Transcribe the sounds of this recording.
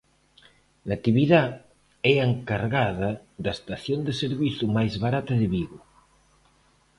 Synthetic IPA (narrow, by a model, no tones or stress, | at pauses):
lat̪iβiða | ɛeŋkaɾɣað̞a | ðaest̪aθjond̪eseɾβiθumajzβaɾat̪aðeβiɣu